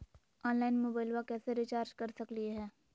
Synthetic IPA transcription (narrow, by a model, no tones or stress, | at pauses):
ɔːnlaːɪnmoːbaːɪlʋakɛːseɾɪt͡ʃaːɾd͡ʒkɐɾsɐklieɦɛː